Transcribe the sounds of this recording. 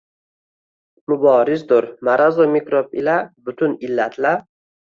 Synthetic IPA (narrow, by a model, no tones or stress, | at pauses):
mʊbɒːɾɪzd̪ʊɾmaɾazomikɾopɪlabʊt̪ʰʊnɪlːat̪ʰla